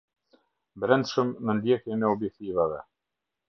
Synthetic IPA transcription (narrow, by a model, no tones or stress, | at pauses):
bɾɛnd̪ʃəmnənd̪jɛkjɛnɛɔbjɛk̚t̪ivavɛ